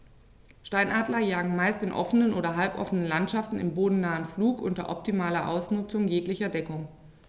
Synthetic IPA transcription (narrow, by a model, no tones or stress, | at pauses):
ʃtaɪnʔaːdlɐjaːɡŋ̩maɪstɪnʔɔ̰fənənʔo̰ːɾɐɦalpʔɔ̰fənənlantʃaftn̩ɪ̰mboːdn̩naːənfluːkʔʊntɐ̰ʔɔp̚timaːlɐʔa̰ʊsnʊt͡sʊŋjeːklɪçɐdɛkʊŋ